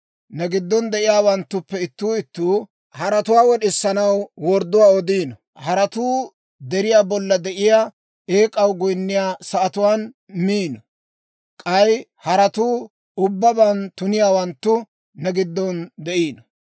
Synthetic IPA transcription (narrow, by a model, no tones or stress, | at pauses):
nɛɡɪd̪ːɔnd̪ɛʔɪjaːwɐnt̪ːʊpːɛɪt̪ːuːɪt̪ːuː | hɐɾɐt̪ʊwaːwɔɗɪsːɐnɐwwɔɾd̪ːʊwaːɔd̪iːnɔ | hɐɾɐt̪uː | d̪ɛɾɪjaːbɔlːɐd̪ɛʔɪja | e̞ːkʼɐwɡʊjnːɪjaːsɐʔɐt̪ʊwaːn | miːnɔ | kʼɐjhɐɾɐt̪uː | ʊbːɐbɐnt̪ʊnɪjaːwɐnt̪ːʊ | nɛɡɪd̪ːɔnd̪ɛʔiːnɔ̥